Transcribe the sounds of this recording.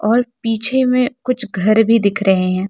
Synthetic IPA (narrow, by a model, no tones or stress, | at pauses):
ɔːɾpiːt͡ʃʰemẽkʊt͡ʃʰɡʱɐɾbʱid̪ɪkʰɾɐɦẽɦɛ̃ː